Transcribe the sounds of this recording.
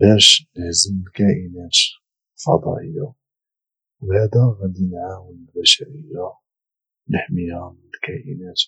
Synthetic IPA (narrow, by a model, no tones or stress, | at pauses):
bæʃnəħzəməlkæʔənæt̪ | fɑ̰d̪ˤɑ̰ʔəjːa | wbæd̪æɣæd̪inʕawənəlbæʃæɾəjːa | nəħmihæmnəlkæʔə̰næt̪